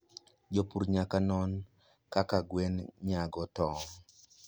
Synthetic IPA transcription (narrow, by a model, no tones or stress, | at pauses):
d͡ʒopuɾɲakanɔn | kakaɡwenɲaɡɔtɔ